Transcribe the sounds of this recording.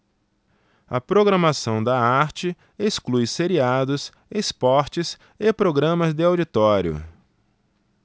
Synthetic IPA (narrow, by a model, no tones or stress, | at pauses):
ɐ̰pɾoɡɾɐmasɐ̃w̃d̪ɐaɾt͡ʃɪ | esklujseɾiad̪ʊs | espɔɾt͡ʃɪs | epɾoɡɾɐ̃mɐzd̪ɪawd͡ʒit̪ɔɾjʊ̰